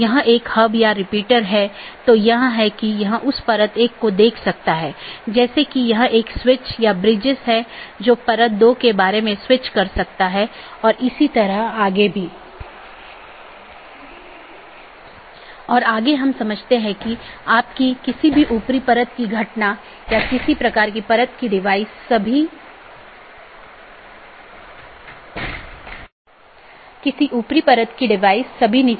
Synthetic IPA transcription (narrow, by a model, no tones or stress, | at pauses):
jɐɦãʔeːkhɐbjaɾɪpiːʈəɾɦɛt̪ojɐɦãɦɛkijɐɦãʔʊspɐɾət̪eːkːod̪eːkʰsɐk̚t̪aɦɛːd͡ʒɛːsekijɐɦãʔeːkswɪt͡ʃjabɾɪd͡ʒɪsɦɛd͡ʒoːpɐɾət̪̚d̪oːkebaːɾemẽswɪt͡ʃkɐɾsɐk̚t̪aɦɛɔːɾɪsit̪ɐɾəɦaːɡebʱiː | ɔːɾaːɡeɦɐmsɐməd͡ʒʱt̪eɦɛ̃kiaːp̚kikɪsibʱiʔuːpɾipɐɾət̪̚kiɡʱɐʈna | jakɪsipɾɐkaːɾk̬ipɐɾət̪kiɖɪʋaːɪsɐbʱi | kɪsiʔuːpɾipɐɾət̪kiɖɪʋaːɪsːɐbʱini